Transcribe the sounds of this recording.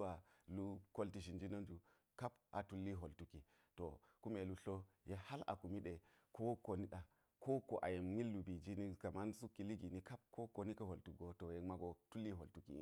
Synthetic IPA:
wa˨lu˦ko˦lti˨ʃ̬i˨nd͡ʒi˦no˦nd͡ʒu˨ | ka˦pa̰˨tu˦lːi˦ɦo˨ltu˦ki˨ | to˨ku˦me˨lu˨ɬo˦je˦ha˦la̰˨ku˨mi˦ɗe˨ | kʰo˦ko˨ni˦ɗa˨ | kʰo˦ko˨ʔa̰˨je˨mŋi˦lːu˨bi˨d͡ʒi˦ni˦ka˨ma˦nsu˦kːi˨li˦ɡi˨ni˦ka˦p̚ko˦ko˨ni˦kɐ˦ho˨ltu˨ɡo˦to˨je˨kma˦ɡo˨tu˦lːi˦ɦo˨ltu˨kḭ˨˦

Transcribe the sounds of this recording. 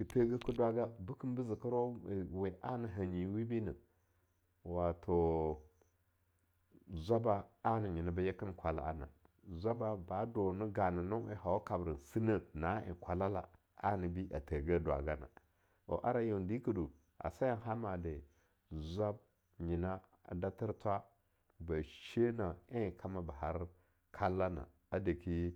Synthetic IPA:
i˨pe˦ɡə˦ku˦dwa˨ɡa˦bu˦kə˦nbə˦zi˨kə˦ɾo˦˨we˨ʔa˦nə˨ɦa˨ɲi˨˦wi˦bi˦nə˨ | wa˨tʰo˨ | zʷa˦ba˦a˦nə˨ɲi˨nə˨ba˦je˦kə˦n˦kʷa˨la̰˦a̰˨na̰˨ | zʷa˦ba˦ba˨˦do˨nə˦ɡa˨nə˨no˦wḛ˦ɦa˨wa˦ka˨bɾə˨nsi˦nə˦na˨˦ḭ˨kʷa˨la˦la̰˨ | a̰˦ni˨bi˦ʔa̰˨tə˨ɡə˦dwa̰˨ɡa˦na̰˨ | o̰˨ʔa̰˦ɾa˦ju˨ndi˦kə˨du˨ | a̰˨sa˦ja˦ɦa˦ma˨de˨ | zʷa˦b̚ | ɲi˨na˦ | a̰˨da˦ti˦ɾtʷa˦ | ba˨ʃe˦na˨e˦˨kʰa˦ma˦ba˨ɦa˦ɾ | kʰa˦lːa˦na̰˨ | a˦də˨ki˦

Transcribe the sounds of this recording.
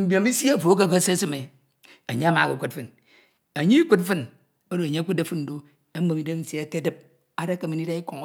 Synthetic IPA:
m̩˨bjo˨mi˦si˦a˦˨fo˨˦k̬a˦ka˦se˦si˦me˨ | a˨ɲe˦a˦ma˨ku˨kʷu˦t̚fɨ˦n | a˨ɲe˦i˦kʷu˦t̚fɨ˦n | o˦do˨ɲe˦ku˦de˦fɨ˦n̩˨do˦ | e˦m̩˦mo˨mi˨˦de˦n̩˦sa˦˨ke˦de˦p̚ | a˦da˦ka˨mi˨ni˦da˦i˦ko˨ŋ˦

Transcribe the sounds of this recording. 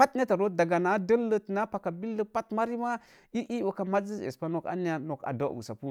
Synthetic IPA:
pa˦tne˦ta˨ɾo˦da˨ɡa˨na˦də˦lːə˦tna˦pa˨ka˨bi˦lːə˦pa˦tma˦ɾi˦ma˦ | i˦ʔi˦wo˨ka˨ma˦zi˦zḛ˨spa˦no˨ka̰˦ni˦ja˨no˨ka̰˨da˦˨ṵ˨sa˨pu˦

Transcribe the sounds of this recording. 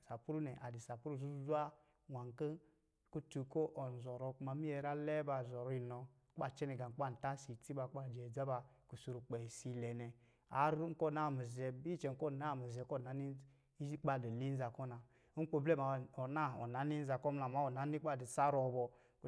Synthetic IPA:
sa˨pu˦ɾu˦nɛ˨ʔa˨di˨sa˨pu˦ɾu˦˨zu˦zu˦a˦ | wa˨ŋ˨kə˦ | ko˦tu˨ko˦ʔo˨n˨zɔ˨ɾɔ˨˦ku˦ma˨mi˦ɛ˨ɾa˦lɛ˦ba˨zɔ˨ɾɔ˦i˨nɔ˨˦ | k͡pa˦˨t͡ʃɛ˦nɛ˨ɡa˨˦k͡pa˦˨n̩˨ta˦si˨ti˦ba˨˦a˦˨d͡ʒɛ˨d͡za˦ba˨ | ku˨su˨ɾu˨k͡pɛ˨si˨lɛ˨nɛ˨ | a̰˨˦ɾu˦ŋ̩˦ko˦˨na˦˨mi˨zɛ˨bi˦t͡ʃɛ˨ŋ˦ko˦˨na˦˨mi˨zɛ˨ko˦˨na˨˦ni˦ | zi˦k͡pa˦˨di˨li˦n̩˦za˨ko˦na˨ | u˦k͡po˨ble˦ma˨o˨na˦˨o̰˨na˨ni˦n̩˦za˨kɔ˦m˦a˨ma˦o˨na˨˦ni˦k͡pa˦˨di˨sa˦ɾɔ˨bɔ˨ | k

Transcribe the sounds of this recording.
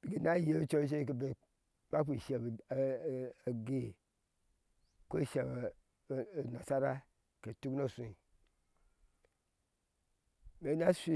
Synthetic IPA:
b̥i˨ɡi˨na˦je˦t͡ʃo˦ʃ̬e˦k̬e˨be˨ | k͡pa˦k͡pi˨ʃe˨b | ɡe˨ | ko˦˨ʃe˨b | na˨sa˦ɾa˦ | ke˨tu˦kno˦˨sũ˨i˨ | me˨˦na˦si˦

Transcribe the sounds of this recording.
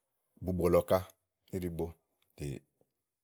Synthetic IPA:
bu˨ɡ͡bo˨lɔ˨ka˦ | i˦ɾi˦bo˦ | tḛ˨

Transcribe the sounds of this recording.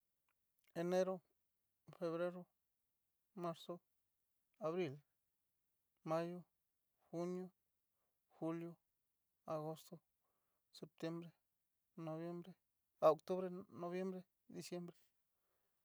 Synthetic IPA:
e˨ne˦ɾo˦ | fe˧βɾe˦ɾo˦ | ma˦ɾso˦ | a˧βɾi˦˨l | ma˦jo˦ | xu˦njo˦ | xu˦ljo˦ | a˨ɣo˦st̪o˧ | se˧p̚t̪je˦mbɾe˦ | no˧βje˦mbɾe˦ | a˨o˨k̚t̪u˦βɾe˦no˧βje˦mbɾe˦ | d̪i˨sje˦mbɾe˦

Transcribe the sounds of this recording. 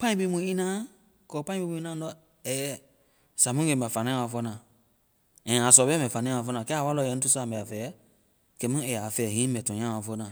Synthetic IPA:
pã˦ĩ˦bi˦mũ˧˦i˦nãː˦ | kɔ˨pã˦ĩ˦bi˧˦mũ˧i˦nã˦ɔ˦˨ | ɛ˨ɛ˦˨ | sa˨mũ˦ɡẽ˧˨ba˨fa˨nã˦ã˦wa˨fɔ˧˦nãː˨ | ɛ̃˨a˨sɔ˨bɛ˦mɛ̃˨fa˨nã˦wa˨˧fɔ˧˦nã˨kɛ˦a˨wa˦lɔ˧˨jɛ˧˦n̩˦tu˦sa˦˨mbɛ˨a˨fɛ˨˦ | kɛ˨˦mũ˦ɛ˨a˨fɛː˨hĩː˨˦mbɛ˨tɔ̃˨ɲ̃˦ã˦˨a˨fɔ˦nãː˨

